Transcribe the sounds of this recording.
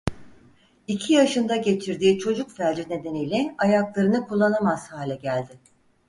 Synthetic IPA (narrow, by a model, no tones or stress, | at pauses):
icʰijaʃɯnd̪aɟe̞t͡ʃʰiɾd̪iːt͡ʃʰo̞d͡ʒukfælʲd͡ʒined̪enijlʲɛajaklˠaɾɯnɯkʰulˠːanamaz̥haːlʲɛɟælʲd̪ɪ